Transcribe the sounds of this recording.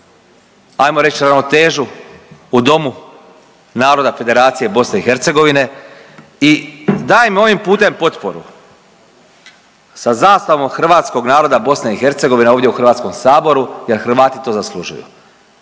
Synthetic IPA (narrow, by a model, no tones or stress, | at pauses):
ajmo̞ɾe̞t͡ʃiɾanot̪e̞ːʒuː | d̪o̞mu | naːɾo̞d̪afe̞d̪e̞ɾaːt̪sije̞bo̞sne̞ixe̞ɾt̪se̞ɡo̞ʋine̞ | id̪aːjimo̞ʋimpuːt̪e̞mpo̞t̪po̞ɾṵ | sazaːst̪aʋo̞mxɾr̩ʋaːt̪sko̞ɡnaːɾo̞d̪abo̞sneixe̞ɾt̪se̞ɡo̞ʋineoːʋd̪ʲjeuxr̩ʋaːt̪sko̞msaːbo̞ɾuje̞ɾxr̩ʋaːt̪it̪o̞ːzaslˠuʒṵjṵ